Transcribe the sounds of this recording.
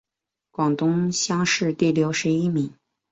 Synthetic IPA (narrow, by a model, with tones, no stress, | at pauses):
kwɑ˨˩ŋt̪ʊ˥ŋɕjɑ˥ŋʂɻ̩˥˧t̪i˥˩ljo˧˥ʊʂɻ̩˧˥i˥mi˨˧˥ŋ